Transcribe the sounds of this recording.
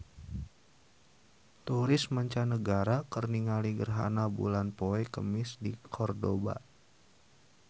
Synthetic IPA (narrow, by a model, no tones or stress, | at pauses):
t̪uɾɪsmaɲt͡ʃanəɡaɾakərniŋaliɡərɦa̰nabṵlanpoɛkəmɪsdikʰɔrdoba̰